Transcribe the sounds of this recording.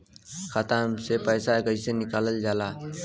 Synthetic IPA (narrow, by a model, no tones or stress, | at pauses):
kʰat̪asepəjsakəisenɪkaːləld͡ʒaːla